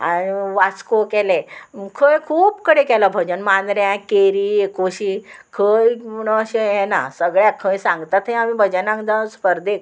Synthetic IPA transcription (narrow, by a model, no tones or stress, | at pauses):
a̰niʋat͡skokɛlekʰəjkʰuːpkəɽekɛlabʱəd͡ʑənmand̪ɾjãkeɾiːekoɕiːkʰəjməɽ̃oəɕejɛna̰səɡɭjakʰəjsãŋɡt̪at̪ɦẽamibʱəd͡ʑənãŋɡd̪aspəɾd̪ek̚